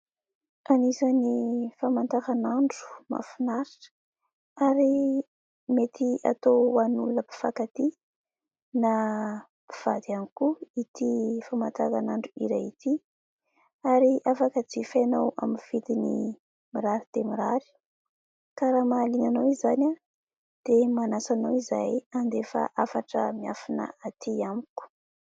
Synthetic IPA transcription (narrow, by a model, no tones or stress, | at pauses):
anizanifamant̪akanaɳɖ͡ʐu̥ma̰finaɾi̥ʈ͡ʂ | aɾi | met̪ʰia̰t̪oanuləpi̥fakat̪i | na | pi̥v̥a̰d̪ianikuit̪ifamant̪a̰ka̰naɳɖ͡ʐuḭɾajit̪i | aɾiafakət͡sifanawa̰minv̥it̪inḭ | miɾaɾid̪̥emiɾaɾi̥ | kaɾamalinanawizana | d̪̥emanasanawizajand̪efa̰ʔafaʈ͡ʂəmiafinə̰at̪ʰiamiku̥